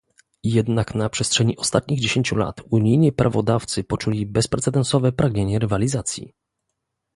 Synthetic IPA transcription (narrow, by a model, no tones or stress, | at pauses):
jɛd̪naknapʂɛstʂɛɲiʔɔst̪at̪̚ɲiɣd͡ʑeɕeɲt͡ɕula̰t̪uɲijɲipɾʔavɔd̪aft̪sɘpɔt͡ʂulʲibɛspɾɛt̪sɛd̪ɛnsɔvɛpɾaɡɲeɲɛɾɘvalʲizat̪sʲjḭ